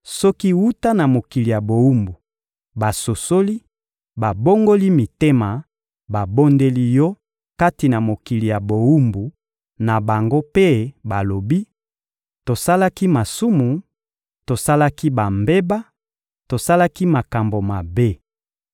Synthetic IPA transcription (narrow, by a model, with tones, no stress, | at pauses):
sɔ˦ki˦wu˦ta˦na˨mo˨ki˨li˨ja˨bo˨u˦mbu˨ | ba˨so˨so˦li˦ | ba˨bo˦ŋɡo˦li˦mi˨te˦ma˨ | ba˨bo˦nde˦li˦jɔ˦ | ka˦ti˨na˨mo˨ki˨li˨ja˨bo˨wu˦mbu˨ | na˨ba˨ŋɡo˦pe˦ba˨lo˨bi˦ | to˨sa˦la˦ki˦ma˨su˦mu˨ | to˨sa˦la˦ki˦ba˨mbe˦ba˦ | to˨sa˦la˦ki˦ma˨ka˨mbo˨ma˨be˦